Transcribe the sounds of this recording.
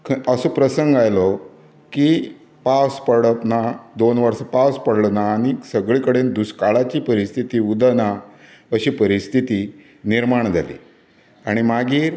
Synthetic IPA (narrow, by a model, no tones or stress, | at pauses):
kʰəsopɾəsəŋɡajlɔ | ki | paspəɽət̪nad̪onʋəɾsəpaspəɽɭnaːɽ̃isəɡɭikəɽend̪uskaɭat͡ɕiːpəɾist̪ʰit̪iːud̪ana | əɕiːpəɾist̪ʰit̪iː | niɾmaɳd͡zʱa̰lḭː | aɽ̃imaɡiːɾ